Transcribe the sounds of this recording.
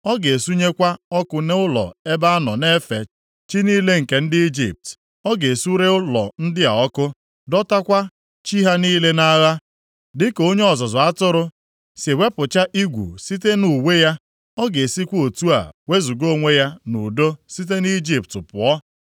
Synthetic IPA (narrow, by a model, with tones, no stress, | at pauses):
ɔ˦ɡe˨su˦ɲe˦kʷa˦ɔ˦kʊ˦ne˦ʊ˦lɔ̰˨e˦ba˦a˦nɔ˨ne˦fe˨ | t͡ʃi˦niː˦le˦ŋ̩˨ke˨n̩˦dɪ˦i˦d͡ʒḭ˨p̚t | ɔ˦ɡe˨su˦ɾe˦ʊ˦lɔ̰˨n̩˦dɪ˦a̰˨ɔ˦kʊ˦ | dɔ˦ta˦kʷa˦ | t͡ʃi˦ɦa˦niː˦le˦na˦ɣa˦ | dɪ˦ko˦ɲe˦ɔ˨zɔ˨zɔ˨a˦tʊ˦ɾʊ˦ | se˨we˦pʊ˨t͡ʃa˦ʔi˦ɡʷṵ˨si˦te˦nu˨we˦ja˦ | ɔ˦ɡe˨si˦kʷo˨tu˦a̰˨we˦zu˨ɡo˦˨ŋʷe˦ja˦nṵ˨do˦si˦t̬e˦ni˦d͡ʒi˨p̚tʊ˨pʊ̰˨ɔ˦